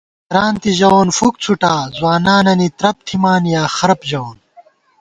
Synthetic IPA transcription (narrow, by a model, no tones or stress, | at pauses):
t̪ɾaːnt̪iʑɐonfuk̚t͡sʰuʈaːzwaːnaːnɐnit̪ɾɐp̚t̪ʰimaːnjaːxɐɾɐpʑɐoːn